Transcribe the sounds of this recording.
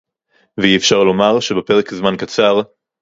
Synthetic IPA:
veiefʃaʁlo̞maʁʃebepe̞ʁekzmankat͡saʁ

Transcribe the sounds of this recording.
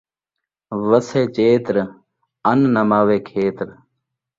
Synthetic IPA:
ʋəseːt͡ʃeːt̪ɾ | ənnəmaːʋeːkʰeːt̪ɾ

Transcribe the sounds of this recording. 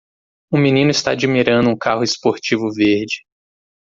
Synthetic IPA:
ũminĩnʊist̪a̰ad͡ʒimiɾɐ̃nd̪ʊũkahʊespoɾt͡ʃivʊveɾd͡ʒɪ

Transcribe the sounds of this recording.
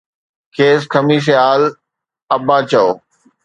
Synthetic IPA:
kʰeːskʰɐmiːʃ̬ɐjaːl | ɐbaːt͡ɕɐoː

